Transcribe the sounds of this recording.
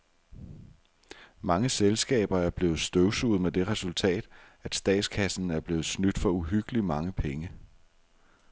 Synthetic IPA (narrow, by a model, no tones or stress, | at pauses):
mɑ̈ŋəselsɡ̥ɛ̰ːb̥ɐæɐb̥le̝ːð̩ˠsd̥øʊsṵð̩ˠmed̥e̝ʁɛsult͡sʰɛ̰ːd̥æd̥sd̥ɛ̰ːd̥skʰæsn̩æɐb̥le̝ːð̞̩ˠsnyd̥fɒ̽uɦyɡ̥əlimɑ̈ŋəpʰeŋə